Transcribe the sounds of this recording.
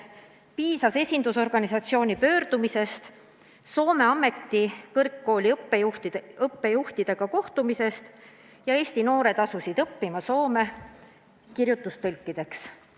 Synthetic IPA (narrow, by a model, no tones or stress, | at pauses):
piːsɑse̞sʲind̪uso̞rɡ̥ɑnisɑt̪sio̞ːnʲipø̞ːrd̪̥umise̞st̪ | so̞ːme̞ɑme̞t̪ːikɤrkːo̞ːlʲiɤpːejuht̪ɤpːe̞juht̪id̪̥e̞ɡ̥ɑko̞ht̪umise̞st̪ | jɑe̞ːsʲt̪ino̞ːɾe̞t̪ɑsusid̪̥ɤpːimɑso̞ːme̞ | kirjut̪ːˑust̪ɤlʲkˑːid̪̥e̞ks